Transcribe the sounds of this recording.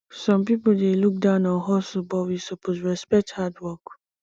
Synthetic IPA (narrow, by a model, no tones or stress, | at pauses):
sɔ̃mpipoldeluk̚dãʊ̃nɔ̃ɦɔsbɔwisɔpʰosɹɛspɛk̚thadwɔk